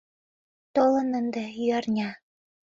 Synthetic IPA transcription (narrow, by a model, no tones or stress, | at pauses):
t̪olɤ̆nə̆nd̪ĕjyɑrnʲɑ